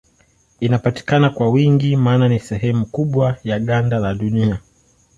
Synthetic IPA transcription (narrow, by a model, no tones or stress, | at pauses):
inapati̥kanakwawiŋɡimaːnanisɛɦɛmukuɓwajaɠandalaɗunia